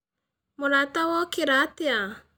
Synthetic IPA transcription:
molat̪awɔkiɾat̪ia

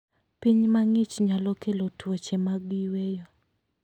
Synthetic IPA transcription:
piɲmaŋit͡ʃɲalɔkelotwot͡ʃemaɡiwejo

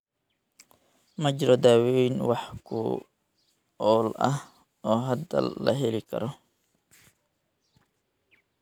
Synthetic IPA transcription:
mɐt͡ʃɪɾɔd̪aːwɛjnwɑħkʰʊ̰ | ɔːlɐ̰h | ɔːɦɐd̪ɐ̰lːɐ̰ɦɛlɪkʰɐ̰ɾɔ

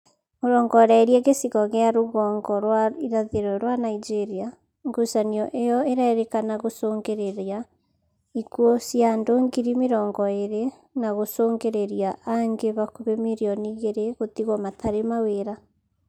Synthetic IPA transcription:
moɾɔːŋɡɔɾaeɾieɣesiɣɔɣeaɾoɣɔːŋɡɔɾwaiɾaðeɾɔɾwanaid͡ʒeɾia | ŋɡusaniɔʔejɔeɾaeɾekanaɣosoːŋɡeɾeɾja | ikuosiandoŋɡiɾimeɾɔːŋɡɔeɾe | naɣosoːŋɡeɾeɾijaʔaŋɡeβakuβemiɾiɔniɣeɾeɣotiɣɔmatʰaɾemaweɾa

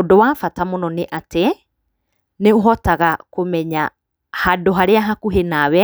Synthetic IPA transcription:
dowafatamonɔneʔate | neoɦɔtaɣakomɛɲa | hadoɦaɾeaɦakuɦenawɛ

